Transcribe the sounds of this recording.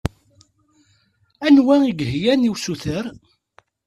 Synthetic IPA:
ænwæiɡhjæniwsuθəɾ

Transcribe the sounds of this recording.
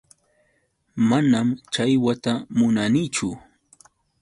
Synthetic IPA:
manamt͡ʃajwat̪amʊnanit͡ʃʊ

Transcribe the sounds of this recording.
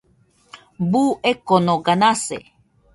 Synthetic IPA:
buʔekonoɡanasḛ

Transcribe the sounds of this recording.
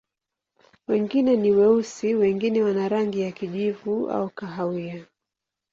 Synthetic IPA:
wɛŋɡinɛniwɛusiwɛŋɡinɛwanaɾaŋɡijakiʄivua̰ukaɦaia

